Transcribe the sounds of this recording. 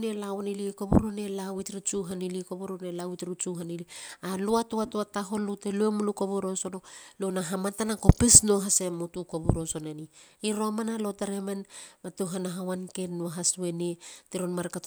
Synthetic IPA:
nelawnilikobuɾonelawitɾut͡ʃuɦanilikobuɾonelawitɾut͡ʃuɦanilialuatoatoataɦo̞luteluemulukoβoɾo̞sonolonaɦamatanakopisnoɦasemutukobuɾoso̞neniiɾomanalotaɾemanmatuɦanaɦawankenːoɦaswe̞netiɾonmaɾka

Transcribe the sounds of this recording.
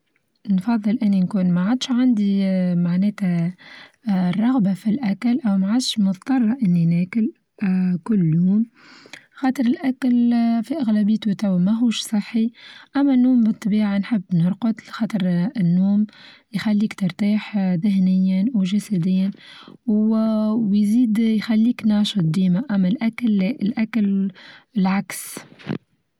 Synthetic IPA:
nfɑðˤːɨlʔɪnːinkuːnmaʕad̪ʃʕand̪imaʕnɛːt̪æ | rˤɑɣbafilʔækælʔæwmaʕad̪ʃmʊt̪t̪ˤɑrˤːɑʔɪnːinæːkɪl | kʊlːjuːm | xɑːt̪ˤɾɪlʔækælfiʔæɣlæbɪːt̪ut̪æwmæɦuːʃsˤɨħːiʔæmːænːuːmbɨt̪ˤːɑbiːʕanħɪbːnʊɾˤqʊt̪xɑːt̪ˤɨɾɪnːuːm | jxalːiːkt̪ɑɾˤt̪iːħðɪhnɪjːanwʒasæd̪ɪjːanwwjziːd̪jxælːiːknɑːʃɨt̪̚ˤd̪iːmaʔæmːælʔæklːɛʔɪlʔæklɪlʕaks

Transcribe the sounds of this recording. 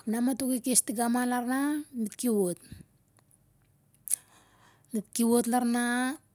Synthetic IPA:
namatukikestiɡamalaɾnamitkiwot | nitkiwotlaɾna

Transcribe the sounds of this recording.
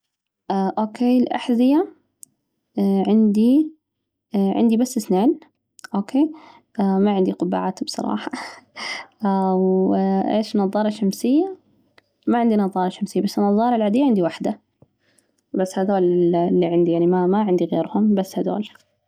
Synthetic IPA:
ʔaʔoːkʰeːlʔa̰ħzɪja | ʕɪnd̪i | ʕɪ̰nd̪ibasːɪsneːn | ʔoːkʰeː | maʕɪnd̪iqʊba̰ʕaːt̪bsˤɑ̰ɾˤɑ̰ːħɑ̥ | wʔḛːʃnɑðˤɑːɾˤɑʃamsɪjːa | maʕɪnd̪inɑðˤɑːɾˤɑʃamsɪjːabasːɪnːɑðˤɑːɾˤɑlʕad̪ɪjːaʕɪnd̪iwaħd̪a | basːhad̪oːlɪlːiʕɪnd̪ijaʕnimamaʕɪnd̪iɣeːɾhʊmbasːhad̪o̰ːl

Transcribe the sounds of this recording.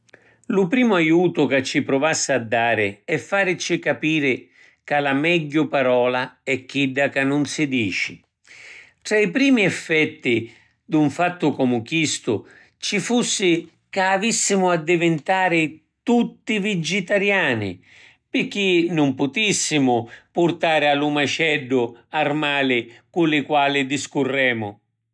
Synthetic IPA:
lʊpɾiːmʊajuːt̪ʊkat͡ʃːɪpɾʊvasːɪad̪ːaːɾɪɛfːaːɾt͡ʃɪkapiːɾɪ | kalamɛɟːʊpaɾɔːlaɛk̟ːiɖːakanːʊnsɪd̪iːt͡ʃɪ̥ | t̪ɾaipɾiːmiɛfːɛt̪ːɪ | d̪uɱfat̪ːʊkɔmʊkist̪ʊ̰ | t͡ʃifusːɪ | kaːvisːɪmʊad̪ːivɪnt̪aːɾɪ | t̪ut̪ːivid͡ʒɪt̪aɾjaːnɪ̰ | pɪk̟ːinʊmpʊt̪isːɪmʊpʊrt̪aːɾɪalːumat͡ʃɛɖːʊarmaːlɪkulɪkwaːlɪd̪iskʊrːɛːmʊ

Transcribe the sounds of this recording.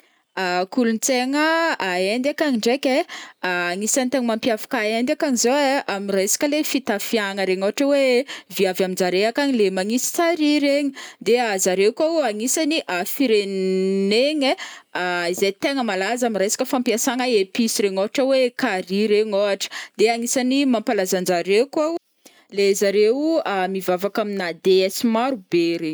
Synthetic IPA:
akulunit͡seŋəaend̪akaɲiɳɖ͡ʐekeaːŋisanit̪eŋimampjafḁkaend̪akaŋizoeamirejsḁkʲəlefit̪afiaŋəɾeɲoaʈ͡ʂəweviavamind͡ʒaɾeakaɲilemaŋisi̥t͡saɾiɾeɲid̪eazaɾekouaŋisaniʔafiɾenneɲeaizet̪eŋəmalazamiɾajsḁkʲəfampiasaŋəepisiɾeɲoɦaʈ͡ʂəwekaɾiɾeɲoaʈ͡ʂə̥d̪eaŋisanimampalazand͡ʒaɾeka | lezaɾewamivavakaminad̪eɛsimaɾubeɾeɲ

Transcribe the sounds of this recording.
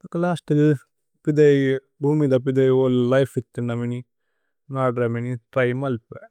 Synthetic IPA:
klaːsʈil | pid̪ɐj | bʱuːmid̪ap̬id̪ɐjoːllɐjfit̪ːinːɐmini | naːɖɾɐminit̪ɐjmɐlpɛ

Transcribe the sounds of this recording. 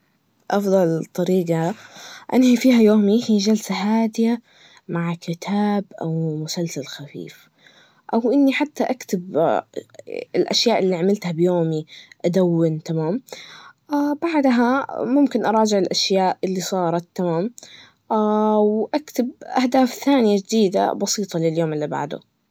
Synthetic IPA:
ʔɑfd̪ˤɑlt̪ˤːɑɾiːɡɑʔanhifiːɦajoːmihiːʒalsaɦaːd̪ɪja | maʕkʰɪt̪ʰaːbʔa̰wmʊsalsalxafḭːf | ʔawʔɪnːiħat̪ːaʔakt̪ɪb | ɪlʔa̰ʃjaːʔɪlːiʕamɪlt̪habjoːmiʔad̪awːɪnt̪amaːmʔabaʕd̪ɦamʊmkɪnʔɑɾˤɑːd͡ʒɪʕɪlʔaʃjaːʔʔɪlːisˤɑːɾˤɑt̪ːamaːm | ʔawʔakt̪ɪbʔahd̪aːfθaːnɪjad͡ʒd̪iːd̪a̰bɑsiːt̪ˤɑlɪljoːmʔɪlːiba̰ʕd̪ʊ̰

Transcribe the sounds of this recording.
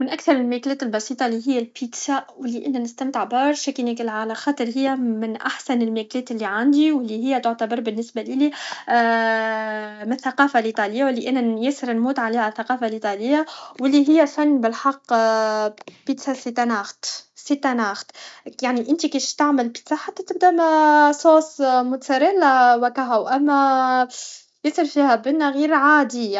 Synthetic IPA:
mɪnʔakθɑɾˤɪlmæklɛːt̪ɪlbɑsiːt̪ˤɑliɦɪjːælpit̪saʔwɪlːiʔɪnːænɪst̪æmt̪ʕbɑːɾˤʃɛkiniklʕalæxɑːt̪ˤɨɾˤɦɪjːæmɪnʔaħsænɪlmæklɛːt̪ɪlːiʕand̪iwɪlːiɦɪjːæt̪ʊʕt̪abɑɾˤbɪnːɪsbalili | mɪnθːaqɑːfalʔit̪ˤɑlɪjːawlːiʔænːæjæsːɪɾɪnmuːt̪ʕalihaθaqɑːfalʔit̪ˤɑlɪjːawɪlːiɦɪjːæfænːbɪlħɑqː | pit̪sasit̪ːænaːxt̪sit̪ːænaːxt̪jaʕniʔɪnt̪ikiːʃt̪aʕməlpi̥t̪saħat̪ːæt̪ɪb̚d̪æmæsˤoːsmʊt̪saɾˤɪlwækaɦæwʔæmːæ | jɪsɪɾfiːhæbɪnːæɣiːɾʕaːd̪i

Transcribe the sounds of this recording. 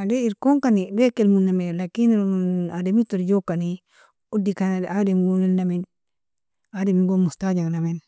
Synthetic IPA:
adeiɾkoŋkanibekelmunːamelakinademitoɾd͡ʒokani | udːikanademiɡonilnamin | ademiɡomustad͡ʒaŋnamen

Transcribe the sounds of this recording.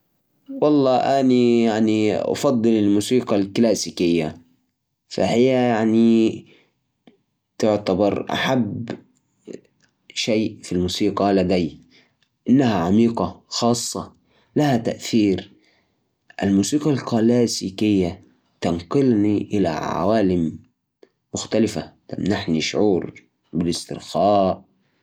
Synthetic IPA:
wɑlˤːɑːʔanijaʕniʔɑ̰fɑd̪ˤːɨlɪlmuːsiːqɑlklaːsikɪjːa | fa̰hɪjːajaʕni | t̪ʊʕt̪abɑɾˤʔa̰ħabː | ʃeːfilmuːsiːqɑʔlad̪aj | ʔɪnːæhæʕamiːqɑxɑːsˤːɑ | læhæt̪æ̰ʔθiːɾ | ʔalmuːsiːqɑlkɑlæːsikɪjːæ | t̪ɑnqɨlniʔɪlæ̰ʕa̰waːlɪmː | ʊxt̪alɪfæt̪æ̰mnaħniʃʕuːɾ | bɪlɪst̪ɪ̰ɾxæːʔ

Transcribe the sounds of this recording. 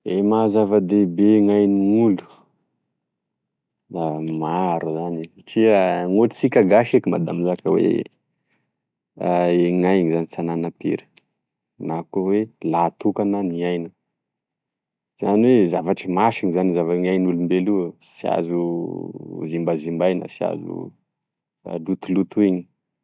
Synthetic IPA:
emazavad̪ebeŋajniŋulu̥ | lamaɾuzani | ʈ͡ʂiəŋoʈ͡ʂi̥t͡sikʲaɡaʃikima̰d̪amizakəwḛ | aeŋajŋizanisananapḛɾə̥ | nakowelat̪ukananiajnə | z̥aniwezavaʈ͡ʂəmaʃiɲizanizavaɲajnulumbelusia̰zu | zimbazimbajnə̰sia̰zṵ | lut̪ulut̪uiɲi̥

